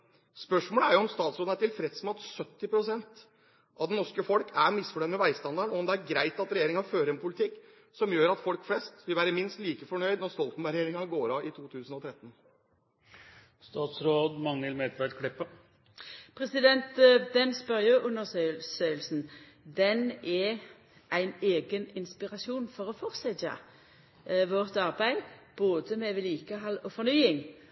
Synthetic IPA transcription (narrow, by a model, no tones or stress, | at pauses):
spœʂmoːləæɾjʊɔmst̪ɑːt̪sɾoːd̪æʈɪlfɾɛt̪smɑt̪sœt̪ːɪpɾʊsɛnt̪ | ʔɑ̰ʋd̪ɛnɔʂkəfɔlkʰæɾmɪsfɔʈɛːnmɛʋæɪst̪ɑnd̪ɑɳɔɔmd̪ɛæɾɡɾæɪt̪ɑt̪ɾɛjeːɾɪŋɑføːɾəɾɛnpʰʊlɪt̪ʰɪkː | sɔmjøːɾɑt̪fɔlkflɛst̪ʋɪlʋæːɾəmɪnst̪liːkəfɔɳœʏd̪nɔɾst̪ɔlt̪n̩æɾɛjeːɾɪŋɑɡoːɾɑɪt̪ʰuːt̪ʰʉːsən̩ɔt̪ʰɾɛt̪ːən | st̪ɑːt̪sɾoːd̪mɑŋəlmɛt̪ʋæɖkʰɽɪpːə | pʰʁɛsɪd̪ɛnt̪d̪ɛnspɑʁjøːʔʉnːəʁsøsøːəlsn̩ | d̪ɛnɛ | ʔæɪneːɡənɪnspɪʁɑsuːnfɔʁɔfɔʁsɛt̪ə̰ | ʋɔʁt̪ɑʁbæɪd̪b̥oːd̪əmɛʋɪliːkəɦɑlɔfɔʁnyːɪŋ